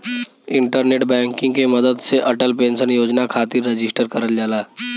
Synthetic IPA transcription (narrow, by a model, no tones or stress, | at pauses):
ɪ̃ɳʈəɾneːʈbɛ̃ːŋkɪ̃ŋɡkemɐd̪əd̪seʔɐʈəlpẽːnsənjoːd͡ʒnakʰaːt̪iɾːed͡ʒɪsʈəɾkəɾəld͡ʒaːlaː